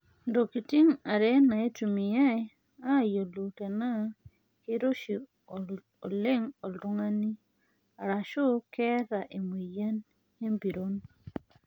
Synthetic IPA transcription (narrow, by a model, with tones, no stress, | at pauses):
ndo˨ki˨ti˦ŋa˨ɾe˦na˨e˦tu˨mi˨ja˦j | a˦˨jo˨lu˨te˨na˦ | hi˦ɾo˦ʃi˨ | o˨le˦ŋo˨ldu˦ŋa˦ni˦ | a˨ɾa˨ʃo˦ke˦ɾa˨ʔe˨mu˨ja˦n | e˦mbi˨ɾo˦n